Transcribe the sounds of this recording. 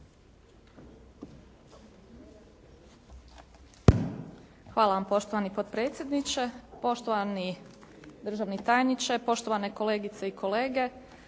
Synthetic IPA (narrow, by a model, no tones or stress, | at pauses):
xʋaːlaʋampo̞ʃt̪oʋanipod̪pɾet̪sʲjed̪nit͡ʃe̞po̞ʃt̪oʋani | d̪ɾr̩ʒaʋnit̪aːjnit͡ʃapo̞ʃt̪o̞ʋaneko̞le̞ːɡit̪se̞ikʰo̞leːɡe̞